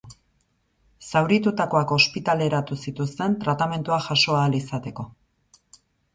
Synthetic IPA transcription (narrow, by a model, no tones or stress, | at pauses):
sawɾit̪ut̪ako̞ako̞spit̪ale̞ɾat̪usit̪ust̪e̞nt̪ɾat̪ame̞nt̪uaʝaʃo̞aːlisat̪e̞ko̞